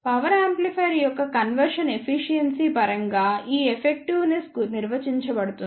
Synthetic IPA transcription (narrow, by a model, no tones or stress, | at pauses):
pɐʋɐɾaːmplipʰɐjɾijɔkːɐkɐnʋɐɾʂɐne̞pʰiʃijɐnsipɐɾɐŋɡaːiːepʰek̚ʈiʋneskuniɾʋɐt͡ʃiɲt͡ʃɐbɐɽut̪un